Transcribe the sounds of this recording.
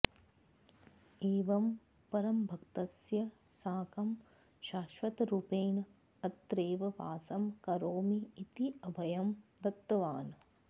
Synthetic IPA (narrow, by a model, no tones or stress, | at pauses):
eːʋɐm | pɐɾɐmbʱɐkt̪ɐsjɐ | saːkɐm | ʃaːʃʋɐt̪ɾupeːn | ɐt̪ːɾeːʋɐʋa̰ːsɐmkɐɾoːmiːt̪iɐbʱɐjɐmɾɐt̪ːɐʋaːn